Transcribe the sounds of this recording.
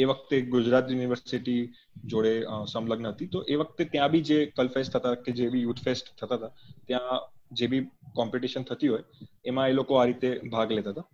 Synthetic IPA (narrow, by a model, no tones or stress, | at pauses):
eʋəkʰt̪eɡʊd͡ʒɾat̪juniʋəɾsiʈi | d͡ʒoɽesəmləɡnəɦət̪it̪oʔeʋək̚t̪et̪jãbʱid͡ʒekəlfesʈt̪ʰət̪aked͡ʒebʱijuʈfesʈt̪ʰːət̪at̪at̪jãd͡ʒebʱikɔmpiʈiʃənt̪ʰət̪iɦojemãelokoaɾit̪ebʱaɡlet̪aɦt̪a